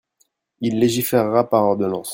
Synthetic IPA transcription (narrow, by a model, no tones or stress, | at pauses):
ilːeʒifeʁːapaʁɔʁd̪ɔnɑ̃s